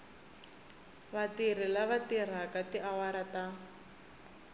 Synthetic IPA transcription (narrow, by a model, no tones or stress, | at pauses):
βatir̤ilaβatir̤akatiʔawaɾata